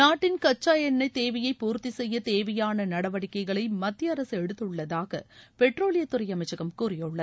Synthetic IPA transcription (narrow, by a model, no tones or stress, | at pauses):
naːʈːɪnkɐt͡ʃːaːjɐnːɐɪt̪eːʋɐjɐɪpːuːɾt̪isɛjːɐt̪eːʋɐjaːnɐnɐɽɐʋɐɽɪkːɐɪɣɐɭɐɪmɐt̪ːjɐɐɾɐsɯɛɽɯt̪ːɯɭːɐðaːɣɐ̰pɛʈroːɭɪjɐt̪ːʊrɐɪjɐmɐɪt͡ʃːɐɣɐmkuːrɪjɯɭːɐð